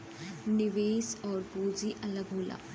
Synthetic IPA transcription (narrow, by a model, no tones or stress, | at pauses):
nɪʋeːsɔːɾbuːd͡ʒiʔɐləɡɦoːla̰ː